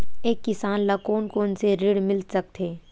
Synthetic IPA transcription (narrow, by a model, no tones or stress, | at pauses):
eːkːɪsaːnlakoːnkoːʊnseɾɪɽmɪlsɐk̚t̪ʰɦeː